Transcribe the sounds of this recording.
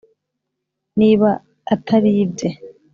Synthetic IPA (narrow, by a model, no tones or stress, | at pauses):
niːβaː | tʰaɾiːbɟe